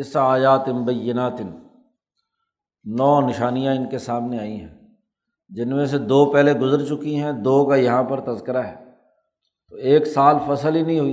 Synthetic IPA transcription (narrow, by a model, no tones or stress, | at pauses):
ɪsaːjaːt̪ɪnbɐjːɪnaːt̪ɪn | nːɔːnɪʃaːnijãɪnkesaːmneaːiɦɛ̰̃ː | d͡ʒɪnmẽs̬ed̪oːpɛɦleɡʊzəɾt͡ʃʊkiɦɛ̃d̪oːkajɐɦãpɐɾt̪ɐzkɪɾaɦɛː | t̪oeːksaːlfɐsəlɦinɐɦĩɦʊi